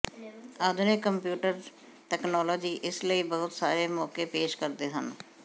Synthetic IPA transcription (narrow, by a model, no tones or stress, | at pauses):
aːd̪ʱʊnekəmpjuːʈəɾ | ʈɛːknɔːlɔːd͡ʒiːʔɪsləiːbəɦʊt̪saːɾeːmɔːkeːpeːʃkəɾd̪eːɦə̰n